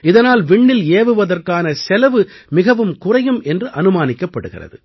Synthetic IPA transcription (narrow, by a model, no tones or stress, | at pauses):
ɪðɐnaːlʋɪɳːɪleːʋɯʋɐðɐrkaːnɐsɛlɐʋɯmɪɣɐʋɯmkʊrɐjɯmʔɛndrɯʔɐnɯmaːnɪkːɐpːɐɽɯɣɪ̰rɐ̰ðɯ̰